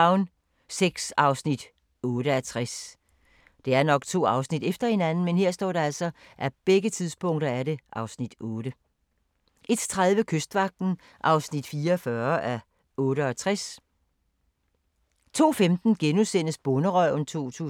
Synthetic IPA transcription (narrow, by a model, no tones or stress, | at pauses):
ʊn | seɡ̥sɑ̈ʊsnid̥ | ɔ̽ːɾəæt͡sʰʁas | d̥e̝æɐnɒ̽ɡ̥t͡sʰo̝̰ːɑ̈ʊsnid̥efd̥ɐhe̝nænn̩menhe̝ɐ̰sd̥ɒ̰ːɾ̥ɑ̈æl̰sɒ̽ | ʔæb̥eɡ̥ət͡sʰiðˠspʰɔ̽ŋ̰d̥ɐæɐɾe̝ʔɑ̈ʊsnid̥ɔ̽ːɾ̥ə | ʔe̝d̥t͡sʰʁaðˠʋəkʰøsd̥ʋɑ̈ɡ̥̚d̥n̩ | ʔɑ̈ʊsnid̥fiːɐɒfɶɐʔæ | ɔ̽ːɾəɒt͡sʰʁas | t͡sʰo̝̰ːfemd̥n̩ɡ̥enusen̰əsb̥ɔnəʁœʊnt͡sʰo̝̰ːt͡sʰṵː